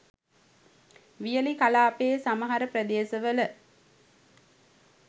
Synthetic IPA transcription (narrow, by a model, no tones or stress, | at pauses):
ʋijəlikɐlaːpeːsaməɦɐɾəpɾɐd̪eːsəʋələ